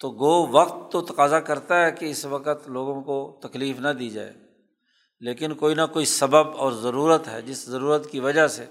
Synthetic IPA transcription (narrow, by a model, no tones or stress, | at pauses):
t̪oːɡoːʋɐqt̪ːot̪ɐ̥qaːzakɐɾt̪aɦɛkeɪsʋɐqət̪loːɡõkot̪ɐkliːfnad̪iːd͡ʒa̰ːḛː | leːkɪnkoːinakoːisɐbəbɔːɾzɐɾuːɾət̪ɦɛ̰ːd͡ʒɪszɐɾuːɾət̪kiʋɐd͡ʒase